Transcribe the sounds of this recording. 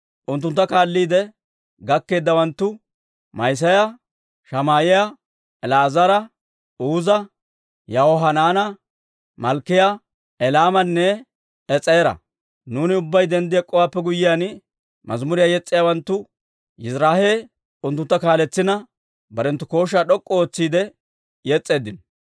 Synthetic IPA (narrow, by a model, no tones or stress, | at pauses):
ʔʊnt̪ːʊnt̪ːɐkaːlːiːd̪ɛ | ɡɐkːe̞ːd̪ːɐwɐnt̪ːʊ | mɐjs̬ɐjɐ | ʃɐmaːjɪja | ɛlaːzɐɾɐ | uːzɐ | jɐhoɦɐnaːnɐ | mɐlkːɪja | ɛlaːmɐnːɛ | ɛt͡sʼːɐjɛɾɐ̰ | nuːnɪʊbːɐjd̪ɛnd̪ɪjakʼːɔwaːpːɛɡʊjːɪjaːn | mɐ̰zmʊɾɪjajɛt͡sʼːɪjawɐnt̪ːʊ | jɪzɾaːhe | ʊnt̪ːʊnt̪ːɐkaːlɛt͡sːɪnɐ | bɐɾɛnt̪ːʊko̞ːʃ̬aːɗɔkʼːɔoːt͡sːiːd̪ɛ | jɛt͡sʼːe̞ːd̪ɪn